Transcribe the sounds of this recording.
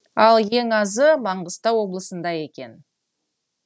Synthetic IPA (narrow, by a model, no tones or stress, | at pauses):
ɑlˠje̞ŋɑzəmɑɴʁəst̪ɑwo̞blˠəsənd̪ɑje̞kʲe̞n